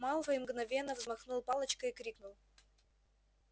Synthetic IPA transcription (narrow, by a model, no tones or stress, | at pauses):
malˠvəɪmɡnɐvʲenːəvzmɐxnulˠpɑlˠət͡ɕkəikɾʲiknʊlˠ